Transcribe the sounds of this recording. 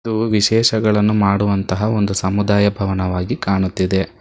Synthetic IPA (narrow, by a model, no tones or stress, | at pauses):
d̪uʋiʃɛːʃɐɡɐɭɐnːumaːɽuʋɐnt̪ɐɦɐo̞nd̪usɐmud̪aːjɐbʱɐʋɐnɐʋaːɡikaːɳut̪ːid̪e̞